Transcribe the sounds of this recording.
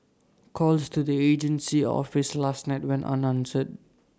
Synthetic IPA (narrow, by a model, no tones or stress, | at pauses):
kʰɔlstudied͡ʒə̃nsiɔ̰fɪslasnaɪt̚wɛ̃nʔa̰nãnsəd̚